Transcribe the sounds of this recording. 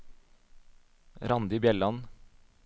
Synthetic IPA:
ɾɑnd̪ɪbjɛlɑn

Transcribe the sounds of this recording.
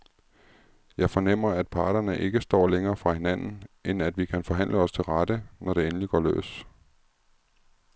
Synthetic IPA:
jɑ̈ɪfɒ̽nem̰ɐæd̥̚pʰɑ̈ːɾ̥ɐnəʔe̝ɡ̥əsd̥ɒ̰ːleŋɐːfʁɑ̈he̝næn̰n̩ʔenæd̥ʋikʰænfɒ̽ɦæn̰ləɒ̽st͡sʰe̝lʁɑd̥ənʔɒɾ̥e̝enəliɡ̥ɒ̰ːlø̰ːs

